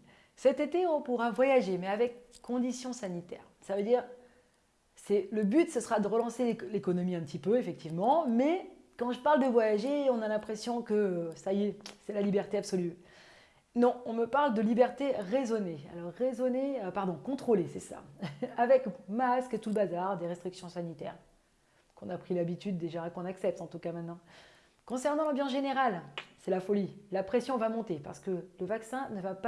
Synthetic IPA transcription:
sɛt̪et̪eɔ̃puʁavwajaʒemɛavɛkːɔ̃d̪isjɔ̃sanit̪ɛ̰ːʁ | savød̪iʁ | sɛləbyt̪səsəʁad̪əʁəlɑ̃sellekɔnɔmiɛ̃pt̪ipøefɛk̚t̪ivmɑ̃mɛ | kɑ̃ʒəpaʁld̪əvwajaʒeɔ̃nalɛ̃pχesjɔ̃kəsajesɛlalibɛʁt̪eapsɔly | nɔ̃ɔ̃məpaʁld̪əlibɛʁt̪eʁezɔnea̰lɔʁːezɔneøpaʁd̪ɔ̃kɔ̃t̪χolesɛsa̰avɛkmaskət̪uləbazaʁd̪eʁɛst̪χiksjɔ̃sanit̪ɛːʁ | kɔ̃napχilabit̪yd̪ːeʒakɔ̃naksɛp̚t̪ɑ̃t̪ukamɛ̃t̪nɑ̃ | kɔ̃sɛʁnɑ̃lɑ̃bjɑ̃s̬ʒeneʁalsɛlafɔlilapχesjɔ̃vamɔ̃t̪epa̰ʁsə̥kələvaksɛ̃nəvapa

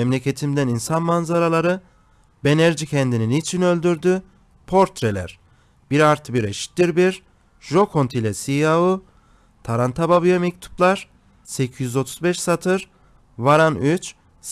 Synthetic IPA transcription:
ɛmlʲe̞cʰe̞t̪ʰimd̪æninsanmanzaɾalˠaɾɯ | benæɾd͡ʒicʰɛnd̪ininit͡ʃʰinø̞lʲd̪yɾd̪y | pʰo̞ɾt̪ɾelʲæ̰ɾ̥ | b̥iɾaɾt̪ʰɯbiɾeʃi̥t̪d̪iɾbiɾ | ʒo̞kʰo̞nt̪ʰilʲɛsijaɦu | t̪ʰaɾant̪ʰababyjamɛc̚t̪ʰu̥plˠaɾ̥ | secʰijyzo̞t̪ʰu̥zbɛʃsat̪ʰɯɾ | vaɾanyt͡ʃ

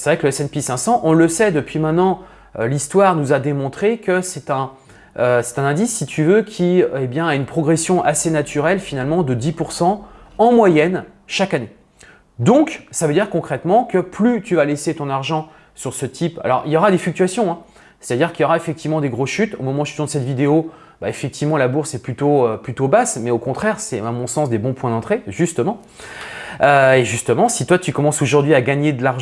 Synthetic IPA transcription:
sevʁɛkləɛsɛnpisɛ̃sɑ̃ʔɔ̃ləsɛd̪əpɥimɛ̃t̪nɑ̃ | ølist̪waʁnuzad̪emɔ̃t̪χekəsɛt̪ɛ̃ | øsɛ̥t̪ɛ̃nɛ̃d̪isːit̪ʰyvøkʲʰiebjɛ̃aynpχɔɡʁesjɔ̃ʔasenat̪ʰyʁɛlfinalmɑ̃d̪əd̪ipuʁsɑ̃ɑ̃mwajɛn | ʃakane | d̪ɔ̃ksavød̪iʁkɔ̃kχɛt̪mɑ̃kəplyt̪yvaleset̪ɔ̃naʁʒɑ̃ | syʁsət̪ʰipa̰lɔ̰ʁiljɔʁad̪eflyk̚t̪yasjɔ̃ɛ̃ | sɛ̥t̪ad̪iʁkiljɔʁaefɛk̚t̪ivmɑ̃d̪eɡʁosʃyt̪omɔmɑ̃ʒyt̪ɔ̃d̪əsɛt̪vid̪eo | baefɛk̚t̪ivmɑ̃labuʁsɛplyt̪oøplyt̪obasmɛokɔ̃t̪χɛʁsɛamɔ̃sɑ̃sd̪ebɔ̃pwɛ̃d̪ɑ̃t̪χeʒyst̪əmɑ̃ | øeʒyst̪əmɑ̃sit̪wat̪ykɔmɑ̃soʒuʁd̪ɥiaɡaɲed̪əlaʁ

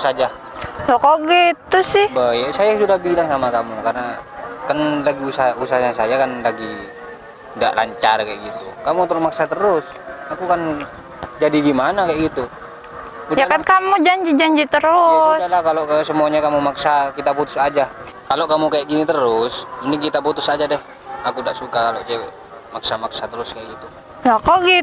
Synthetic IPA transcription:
sad͡ʒa | sokoɡɛt̪ʊsɪhbajɛʔsajasudahbilaŋsamakamukarnakanlaɡiusausahɲasajakanlaɡi | da̰ʔla̰ɲt͡ʃarkajɛʔɡit̪ukamut̪əɾmaksat̪əɾʊs | akukan | d͡ʒadiɡimanakajʔɡit̪u | ujakankamud͡ʒaɲd͡ʒid͡ʒaɲd͡ʒit̪əɾusalakaloksəmuaɲakamumaksakit̪aput̪u̥sad͡ʒakaloʔkamukajaʔɡinit̪əɾʊsmunt̪iŋkit̪aput̪usad͡ʒadɛh | akudaʔsukakaloʔt͡ʃɛɛʔ | maksamaksat̪əɾʊskajaʔɡit̪u | jakoɡi

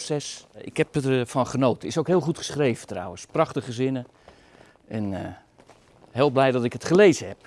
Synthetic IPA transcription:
sɛsɪ̰khɛpfɔnχənoːtɪsowkɦɪːlˠχutχə̥sχrejvətra̰wənsprɑχtəχəzɪnə | ʔɛn | ɦeːlˠblɛjdɔtɪkətχəlejzəhɛp̚

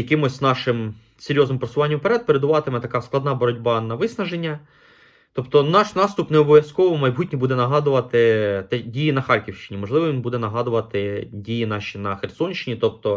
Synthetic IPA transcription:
jɐkɪmɔsʲznɑʃɪm | seɾʲjɔznɪmpɾɐsʊʋɑnʲːɐmpeɾɛd̪̚peɾed̪ʊʋɑt̪ɪmɛt̪ɐkɑsklˠɐd̪nɑbɔɾɔdʲbɑnɐʋɪsnɐʒenʲːɐ | t̪ɔpt̪ɔnɑʃnɑst̪ʊpneɔbɔʋʲjɐskɔʋɔmɐjbutʲnʲibud̪ɛnɐɦɑd̪ʊʋɐt̪ɪt̪ɛdʲijinɐxɑɾʲkʲiwʃt͡ʃɪ̥nʲimɔʒlˠɪʋɔʋinbud̪ɛnɐɦɑd̪ʊʋɐt̪ɪdʲijinɑʃʲinɐxersɔnʲʃt͡ʃɪnʲit̪ɔp̚t̪ɔ

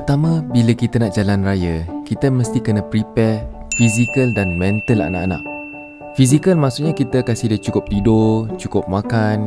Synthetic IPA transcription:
pət̪amãbiləkit̪ənaʔd͡ʒalanrajəkit̪əməst̪ikənə̃pɾipɛr | fizikəldanmɛ̃nt̪əla̰a̰na̰ʔana̰ʔ | fiz̬ikəlmaʔsuʔɲakit̪əkasihdət͡ʃukʊp̚t̪idot͡ʃukʊp̚mãkan

